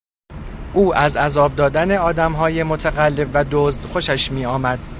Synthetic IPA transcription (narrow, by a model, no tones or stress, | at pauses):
ʔuːʔæzæzɒːb̚d̪ɒːd̪æne̞ɒːd̪æmɦɒːje̞mot̪ʰæɣælːe̞bvæd̪oːzd̪̥xo̞ʃæʃmiːɒːmæd̪̥̚